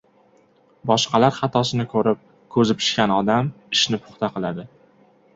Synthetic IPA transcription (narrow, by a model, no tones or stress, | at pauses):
bɒʃqʰɑlaɾχɑt̪ʰɒsɪnɪkʰɵɾɪp̚ | kʰɵzɪpʰɪ̥ʃkʲanɒd̪am | ɪʃnɪpʰʊ̥χt̪ʰaqɨlˠad̪ɪ